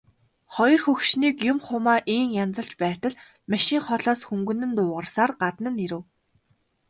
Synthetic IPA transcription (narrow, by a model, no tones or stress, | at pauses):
χɔjɞ̆rxɵxʃniːkjʊmχʊmaːʔiːŋjant͡sə̆ɬt͡ɕpæːt̪ə̆ɮ | maʃiːŋχɔɮaːsxumɡɵ̆nɘ̆nt̪ʊːʁə̆rsaːrɢat̪nə̆niɾɘ̆w